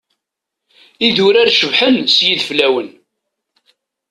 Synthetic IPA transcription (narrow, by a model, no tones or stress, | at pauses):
iðʊɾaɾʃəvħənsjiðflæwən